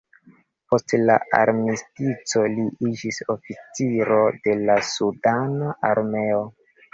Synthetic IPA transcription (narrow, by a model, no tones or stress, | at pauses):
po̞stlaa̰ɾmistit͡so̞liid͡ʒiso̞fit͡siɾo̞de̞lasudanaʔaɾme̞o